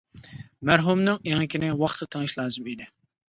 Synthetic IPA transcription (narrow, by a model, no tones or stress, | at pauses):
mæɾɦumnɨŋeŋɪkʲʰinɪwɑχt̪ʰəɾt̪ʰeŋɪʃlˠɑːzɨmid̪ɪ